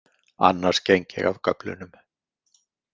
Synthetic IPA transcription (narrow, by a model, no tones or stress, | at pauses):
a̰nːaɾ̥scejɲcɪ̰ɣavkœplʏ̰nʏm